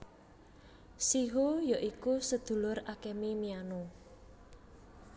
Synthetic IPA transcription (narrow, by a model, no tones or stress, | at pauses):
siɦojaʔikusəd̪̥ṳlʊɾakemimiano